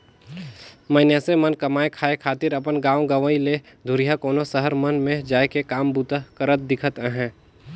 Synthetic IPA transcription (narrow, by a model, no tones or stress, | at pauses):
məɪnjasemənkəmaːekʰaːekʰaːt̪ɪɾəpənɡãːwɡəʋəile | d̪ʱʊɾijakoːnosəɦəɾmənmẽd͡ʒaːekekaːmbut̪əkəɾət̪̚d̪ɪkʰət̪ɦɛ̃ː